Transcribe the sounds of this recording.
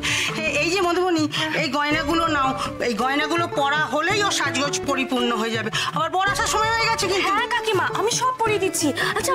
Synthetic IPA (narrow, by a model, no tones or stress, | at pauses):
ɦeejd͡ʑemod̪ʱoboniejɡɔenaɡulonaoejɡɔenaɡulopɔɽaɦolejoʃad͡ʑɡod͡ʑpoɾipuɾnoɦoed͡ʑabeabaɾbɔɾaʃaʃɔmɔeɦoeɡat͡ɕʰekint̪uɦɛkakimaʔamiʃɔb̚poɾed̪itːɕʰiatːʰa